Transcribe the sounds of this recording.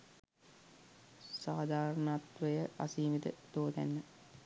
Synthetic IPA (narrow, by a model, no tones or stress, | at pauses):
saːd̪aːɾənat̪ʋəjəʔa̰siːmid̪ə̰d̪̥oːd̪æ̰nːə